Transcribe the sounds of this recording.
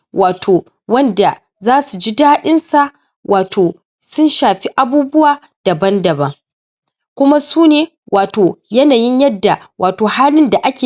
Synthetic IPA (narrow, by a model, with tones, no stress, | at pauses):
wʔaː˨tʰoː˨ | wɐ˦nda˨ | zaː˦su˨d͡ʒi˦daː˦ɗɪ˦nsa˨ʔ | wʔaː˨tʰoː˨ | sʊ˦nʃaː˨ɸi˦ʔa˨buː˦bʊ˦waː˨ | d̥ɐ˨bɐ˦ndɐ˨bɐ˦ŋ | kʷʊ˦ma˦suː˦neː˨ | wʔaː˨toː˨jɐ˦naː˨jɪ˦ɲjɐ˦dːa˨ | wʔaː˨toː˨haː˦lɪ˦nda˨ʔa˦kʲeː˨